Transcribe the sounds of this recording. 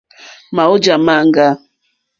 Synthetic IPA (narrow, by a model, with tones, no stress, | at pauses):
ma˨o˦d͡ʒa˨ma˦˨ŋ˦ɡa˦